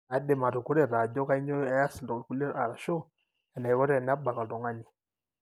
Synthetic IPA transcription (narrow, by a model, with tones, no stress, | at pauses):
a˨˦de˨ma˨ɾu˨ku˦ɾɛ˦˨ɾa˨d͡ʒɔ˦ka˦i˦ɲɔ˦a˦ja˦sdɔ˨ku˦le˦ɾa˨ɾa˨ʃo˦ | ɛ˨na˨i˨wɔ˦ɾɛ˦˨na˦ba˨ka˨dɔ˨ŋa˦ni˨